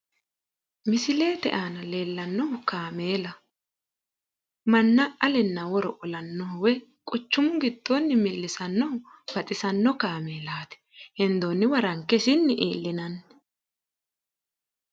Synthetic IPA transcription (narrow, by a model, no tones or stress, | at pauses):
mɪsɪle̞ːt̪ɛ̰ʔaːnɐle̞ːlːɐnːɔkaːmeːlɐ | mɐnːɐɐlɛnːɐwɔɾɔʔɔlɐnːɔhwɛ | kʼɔt͡ʃːʊmʊɡɪd̪ːonːɪmɪlːɪsɐnːɔw | b̥ɐt̪ʼɪsɐnːɔkaːmeːlaːt̪ɛ̥hɛnd̪oːnːɪwɐɾɐŋkːɛsɪnːɪʔḛːlːɪnɐn